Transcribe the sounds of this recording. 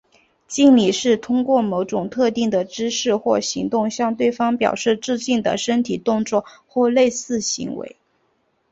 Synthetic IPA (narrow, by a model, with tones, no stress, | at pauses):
t͡ɕi˥˩nli˨˩ʂɻ̩˥˩t̪ʰʊ˥ŋkwɔ˥˩mo˧˥ʊʈ͡ʂʊ˨˩ŋt̪ʰɤ˥˧t̪i˥˩ŋd̪ə˩ʈ͡ʂɻ̩˥ʂɻ̩˥˧xwɔ˥˩ɕi˧˥ŋt̪ʊ˥˧ŋɕjɑ˥˧ŋt̪we˥˩ɪfɑ˥ŋpjɑ̰˨˩ʊʂɻ̩˥˧ʈ͡ʂɻ̩˥˧t͡ɕi˥˩ŋd̪ə̰˩ʂə˥nt̪ʰi˨˩t̪ʊ˥˧ŋt͡swɔ˥˧xwɔ˥˧le˥˧ɪsɹ̩˥˩ɕḭ˧˥ŋwḛ˧˥ɪ